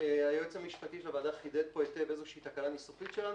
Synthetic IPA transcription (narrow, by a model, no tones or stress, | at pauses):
eajot͡semiʃpat̪iʃlavaːd̪aχid̪et̚poet̪eve̞zeʃiit̪akalanisufitʃelan